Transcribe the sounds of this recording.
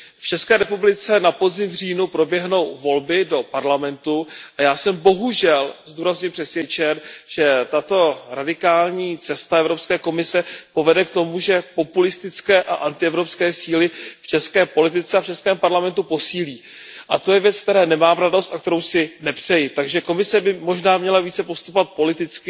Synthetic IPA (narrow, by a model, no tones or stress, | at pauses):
ft͡ʃɛskɛːɾɛpublɪt͡sɛnapozɪmvr̝iːnupɾo̞bjɛɦno̞wvo̞lbɪdo̞paɾlamɛnt̪uʔajaːsɛmbo̞ɦuʒɛlzd̪uːɾazɲulpr̥ɛsvjɛt͡ʃɛnʒ̥ɛt̪at̪o̞ɾadɪkaːlɲiːt͡sɛst̪aɛvɾo̞pskɛːko̞mɪsɛpo̞vɛdɛkt̪o̞muʒɛpo̞pulɪst̪ɪt͡skɛːʔa̰ʔant̪ɪɛvɾo̞pskɛːsiːlɪft͡ʃɛskɛːpo̞lɪt̪̬ɪt͡sɛaft͡ʃɛskɛːmpaɾlamɛnt̪upo̞siːliː | ʔat̪o̞jɛvjɛt͡skt̪ɛɾɛːnɛmaːmɾado̞st̪ʔakt̪ɛɾo̞wsɪnɛpr̥ɛjɪt̪aɡʒɛko̞mɪsɛbɪmo̞ʒnaːmɲɛlaviːt͡sɛpost̪u̥povat̪̚po̞lɪt̪ɪt͡skɪ